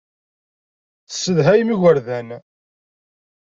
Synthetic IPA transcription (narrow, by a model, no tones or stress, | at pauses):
θə̥sːəðɦæjmiʝəɾðæn